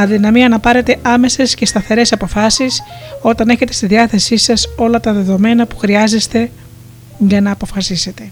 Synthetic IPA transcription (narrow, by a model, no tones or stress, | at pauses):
ɐðinɐmiɐnɐpɐɾe̞t̪e̞ʔɐme̞se̞sce̞st̪ɐθe̞ɾe̞sɐpo̞fɐsiso̞t̪ɐne̞çe̞t̪e̞st̪iðiɐθe̞sisɐso̞lɐt̪ɐðe̞ðo̞me̞nɐpu̥xɾiɐze̞st̪e̞ | ʝɐnɐːpo̞fɐsise̞t̪e̞